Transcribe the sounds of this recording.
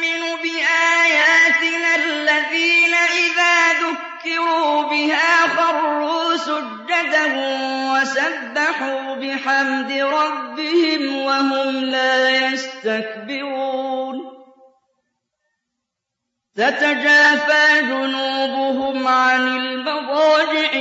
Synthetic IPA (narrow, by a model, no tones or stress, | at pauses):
mɪnuːbɪʔaːjaːt̪ɪnalːaðiːnaʔɪðaːðʊkːɪɾuːbɪhaːxɑrˤːuːsʊd͡ʒːad̪ahʊmwasabːaħuːbɪħamd̪ɪɾˤɑbːɪhɪmwaɦʊmlaːjast̪ak̚bɪɾuuːn | tat̪ad͡ʒaːfaːd͡ʒʊnuːbʊɦʊmʕanɪlmɑdˤɑːd͡ʒɪʕ